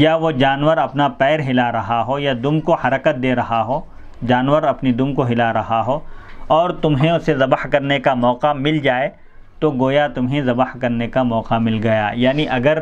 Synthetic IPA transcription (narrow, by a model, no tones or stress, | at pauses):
jaʋod͡ʒaːnʋəɾɐpnapɛːɾɦɪlaɾɐɦaɦojad̪ʊmkohɐɾəkət̪̚d̪eːɾɐɦaɦoː | d͡ʒaːnʋəɾɐpnid̪ʊmkoɦɪlaɾɐɦaɦoːɔːɾt̪ʊmɦẽʊsezɐbəhkɐɾnekamɔːqamɪld͡ʒaːe | t̪oɡoːjat̪ʊmɦẽzɐbəhkɐɾnekamɔːqamɪlɡɐja̰jaːniʔɐɡəɾ